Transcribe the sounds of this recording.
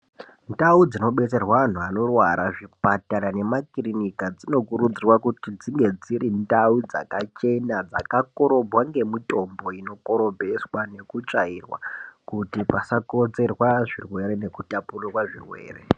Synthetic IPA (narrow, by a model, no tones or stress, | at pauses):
ndaud͡zino̞ɓe̞t͡se̞rwaan̤uano̞rwaɾʔaʐipataɾane̞makirinikad͡zino̞kuɾud͡zirwakutid͡ziŋɡe̞d͡zirindaud͡za̰kat͡ʃe̞nad͡za̰kako̞ɾo̞bʱwaŋɡe̞mito̞mbo̞ino̞ko̞ɾo̞bʱe̞swane̞kut͡ʂairwa̰kutipasakot͡se̞rwaʐirwe̞ɾe̞ne̞kutapururwaʐḭrwe̞̰ːrḛ